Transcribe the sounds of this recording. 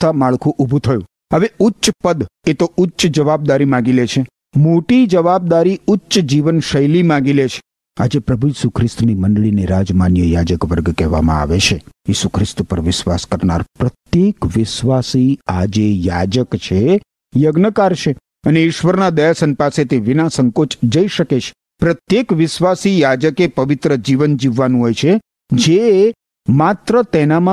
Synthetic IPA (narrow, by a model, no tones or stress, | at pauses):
t̪ʰamaɭkʰũʔubʱũt̪ʰəjũ | əʋeʊːʃpəd̪et̪oʊtːʃd͡ʒəʋab̚d̪aɾimãɡilet͡ʃʰe | moʈid͡ʒəʋab̚d̪aɾiʊtːʃd͡ʒiʋənʃəjlimãɡilet͡ʃʰe̥ | ad͡ʒepɾəbʱujiːsukʰɾɪst̪niməɳɖɭineɾad͡ʒmanjəjad͡ʒəkʋəɾɡkɛʋa̰mã̰a̰ʋet͡ʃʰejisukʰɾɪst̪pəɾʋɪʃʋaskəɾna̰ɾpɾət̪jekʋɪʃʋasiad͡ʒejad͡ʒəkt͡ʃʰe | jəɡnəkaɾt͡ʃʰe | əneɪʃʋəɾnad̪əjasənpaset̪iʋɪnãsəŋkot͡ʃd͡ʒəiʃəket͡ʃʰe̥ | pɾət̪jekʋɪʃʋasijad͡ʒəkepəʋɪt̪ɾəd͡ʒiʋənd͡ʒiʋːanũɦojt͡ʃʰe | d͡ʒe | mat̪ɾət̪ɛnamã